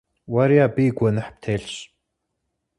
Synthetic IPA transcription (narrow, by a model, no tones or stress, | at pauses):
waɾiabiɡʷɔnɨħp̚t̪ʰeːɬɕ